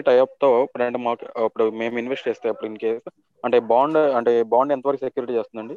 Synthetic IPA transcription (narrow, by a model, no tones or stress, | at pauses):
ʈɐjaːp̚t̪o̞ːpɾɐɳʈɐmaːkuɐpːuɽume̞ːminʋesʈt͡ʃeːst̪aːjɐpːuɽiŋkeːs | ɐɳʈe̞ːbaːɳɖɐɳʈeːbaːɳɖɛnt̪ɐʋɐɾkusekːjuːɾiʈiːt͡ʃe̞ːst̪und̪ɐɳɖi